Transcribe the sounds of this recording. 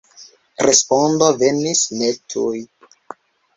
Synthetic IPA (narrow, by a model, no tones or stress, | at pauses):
ɾespondove̞nisnetʰuj